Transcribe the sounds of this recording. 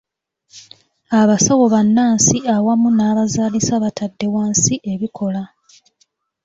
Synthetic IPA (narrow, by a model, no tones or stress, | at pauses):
aβasawo̞βanːaːnsiawamunaːβazaːlisaβatadːe̞waːnsiʔeβikʰo̞la